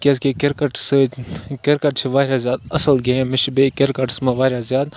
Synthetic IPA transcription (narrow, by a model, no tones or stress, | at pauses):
kʲes̬kekeɾkɐʈsɨkʲeɾkɐʈt͡ʃʰiʋaːɾʲjazjaːd̪̚ɐsɐlɡeẽmɪʃbekeɾkɐʈsmɐʋaːɾjazjaːd̪̚